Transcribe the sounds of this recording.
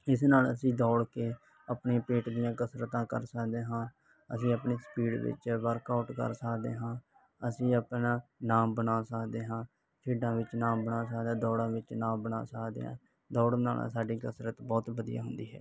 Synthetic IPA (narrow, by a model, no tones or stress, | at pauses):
ɪsnaːləsĩːd̪ɔːɽkeː | əpɳẽːpeːʈd̪ijãːkəsɾət̪ãːkə̰ɾsəkd̪eːɦãː | ə̰sĩːəpɳeːsə̥piːɖʋɪ̰t͡ʃʋəɾkaːʊʈkə̰ɾsəkd̪ḛːɦãː | əsĩːəpnaːnaːmbənaːsəkd̪eːɦãː | pʰiːɖãːʋɪt͡ʃnaːmbənaːsəkd̪ãːd̪ɔːɽãːʋɪt͡ʃnaːmbəna̰ːsəkd̪ḛːɦã̰ː | d̪ɔːɽna̰ːl̰ːsaːɖiːkəsɾət̪bɔːt̪bəd̪ija̰ːɦʊnd̪iːɦɛ̰ː